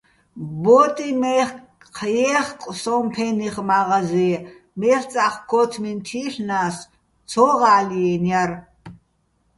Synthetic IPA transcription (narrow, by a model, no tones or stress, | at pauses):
bɔt̪ʼimɛχ | qʰjɛχkʼsɔmpʰɛniχmaʁazi | mɛχt͡sʼaχkʰɔt̪ʰmint̪ʰiːɬnas | t͡sʰɔʁaːliɛnjar